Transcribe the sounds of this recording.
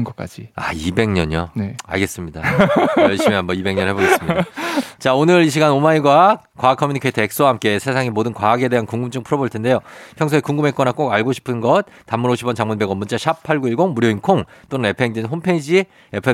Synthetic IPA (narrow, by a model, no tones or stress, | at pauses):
nɡʌk͈a̰d͡ʑiaibe̞ŋɲʌɲonea̰ɭɡe̞s͈ɯmɲidajʌɭɕ͈imiɦambʌibe̞ŋɲʌnhɦeboɡe̞sɯmidat͡ɕaonɯɾiɕ̬ʰiɡanomaiɡwa | kwakʰʌmjiuɲikʰaete̞k̚s͈owaɦamk͈e̞sʰe̞sʰaŋimodɯnkwaaɡe̞de̞ɦankuŋɡumt͡ɕ͈ɯŋpʰɯɾʌboɭtʰe̞nde̞jopʰjʌŋsʰoekuŋɡɯme̞k͈ʌnak͈oɡaɭɡoɕʰi̥pʰɯnɡʌt̚tamːuɾoɕʰibʌnt͡ɕaŋmunbe̞ɡʌmunt͡ɕ͈aɕʰap̚pʰaɭɡuiɭɡoŋmuɾjoinkʰoŋt͈onɯne̞pʰeŋdinɦompʰeid͡ʑi | e̞pʰe